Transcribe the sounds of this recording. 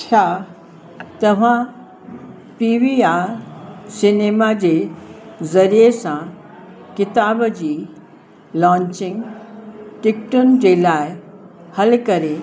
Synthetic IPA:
t͡ɕʰaː | t̪ɐʋ̤ã | piːʋia | sɪneːmad͡ʑe | zɐɾijesã | kɪt̪aːbd͡ʑiː | lãːɲt͡ɕɪ̃ŋɡ | ʈɪkʈʊnɪ̆d͡ʑeːlaːɪhɐlkɐɾe

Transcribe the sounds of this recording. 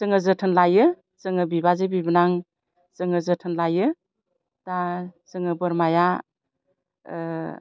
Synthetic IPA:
zɯŋɯzɯtʰɯnlajɯ | zɯŋɯbibazebibɯnaŋ | zɯŋɯzɯtʰɯnlajɯ | dasɯŋɯbɯɾmaja

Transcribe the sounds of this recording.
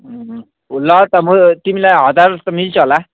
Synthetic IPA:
ulʌt̪ʌmut̪imilajɦʌd̪aɾt̪ʌmilt͡sʰʌɦola

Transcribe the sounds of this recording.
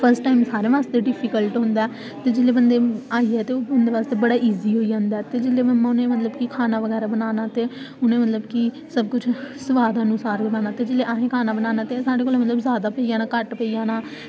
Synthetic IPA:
pʰəɾsʈːaːimsaːɾeːʋaːst̪eːɖɪpʰiːkəlʈɦʊnd̪aː | t̪eːd͡ʒɪleːbənd̪eːaːiɛːt̪eːoːʊnd̪eːʋaːst̪eːbəɽaːʔiːziːɦoːid͡ʒãːnd̪aːt̪eːd͡ʒɪleːbəmãːʊnẽːmət̪ləbkikʰaːnaːʋəɡɛːɾaːbənaːnaːt̪eː | ʊnẽːmət̪ləbki | səb̚kʊt͡ʃʰsəʋaːd̪ənʊsaːɾɡənaːnaːt̪eːd͡ʒɪleːʔaːɦẽːkʰaːnaːbənaːnãːt̪esaːɖeːkoːleːmət̪ləbzaːd̪aːpəiːjaːnãːkəʈpəijaːnaː

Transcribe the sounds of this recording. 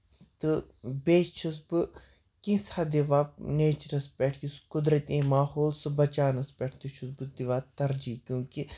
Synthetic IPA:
t̪ɨbeːt͡ʃʰusbɨ | kĩsad̪iʋaːneːt͡ʃɐɾɐspʲeʈʰkiskʊd̪ɾɐt̪ĩːmaːhoːlsɨbɐt͡ʃaːnɐspʲeːʈʰt̪ɨʃʰusbɨd̪iʋaːt̪ɐɾd͡ʒiːkjõːki

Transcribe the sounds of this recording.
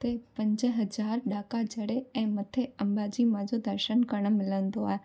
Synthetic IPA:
t̪epɐ̃ɲd͡ʑəɦɐzaːɾɗaːkad͡ʑʱɐɽeɛ̃ːmɐt̪ʰeɐ̃mbaːd͡ʑimãd͡ʑod̪ɐɾʃənkɐɾɽ̃̆mɪlənd̪oa̰ːɦe

